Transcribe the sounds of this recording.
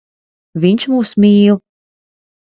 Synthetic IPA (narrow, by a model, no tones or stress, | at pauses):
vʲiɲʃmuːsmʲiːlˠ